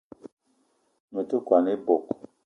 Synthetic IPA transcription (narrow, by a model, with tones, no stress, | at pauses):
mə˨tu˦kwa˨ne˦bo˨k̚